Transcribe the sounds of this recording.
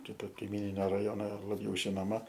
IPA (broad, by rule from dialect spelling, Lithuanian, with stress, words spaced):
ˈkʲɪtoː kɐɪˈmʲiːnʲɪnʲoː rɐˈjoːnoː lˠɐˈbʲɛʊ ʒʲɪnoːˈmɐ